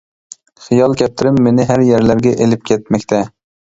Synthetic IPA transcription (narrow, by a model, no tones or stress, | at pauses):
χɨjɒlˠkʲʰɛp̚t̪ʰɪɾɪmːenɪɦæɾjeɾlaɾɡʲɛʔelɪp̚kʲʰet̪̚mɛkʲt̪ʰa